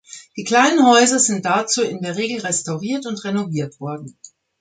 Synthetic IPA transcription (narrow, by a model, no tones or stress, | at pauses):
d̥iːkl̥aɪnənhɔʏzɐzɪnt̚d̥at͡suːɪndeːɐʁ̞eːɡl̩ʁɛstaʊʁiːɐtʊntʁenoviːɐtv̥ɔɐdn̩